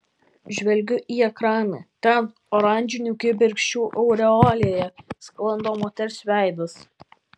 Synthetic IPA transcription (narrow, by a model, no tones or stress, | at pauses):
ʒʲʋʲɛlʲɡʲʊʔiːɛkɾɑːnɐt̪ʲɛn | ɔɾɑˑnʲd͡ʒʲɪnʲuːkʲɪbʲɪɾʲkʃʲt͡ʃʲuːʔɔʊɾʲɛɔːlʲejɛsklˠɐnd̪oːmoːt̪ʲɛɾʲsʲʋʲæˑɪd̪ɐs